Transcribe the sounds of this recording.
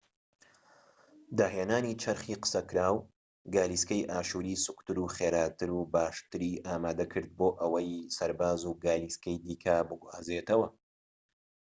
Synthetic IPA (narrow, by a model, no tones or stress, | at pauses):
d̪aːɦeːnaːniːt͡ʃʰɐɾχiːqə̥sɐkɾaːw | ɡaːliskɐjʔaːʃuːɾiːsɨkt̪ɨɾuːχeːɾaːt̪ɨɾuːbaːʃt̪ɨɾiːʔaːmaːd̪ɐkʰɨɾd̪̚boːʔɐwɐjsɐɾbaːzuːɡaːliːskɐjd̪iːkʰɐbɨɡuhazeːt̪ɐwɐ